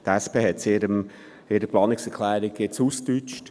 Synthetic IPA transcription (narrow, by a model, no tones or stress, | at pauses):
t̪æspeːhɛtseːɾəm | ɪɾəplɑːnɪksɛɾkʰlæːɾɪɡjet͡suːstyt͡ʃt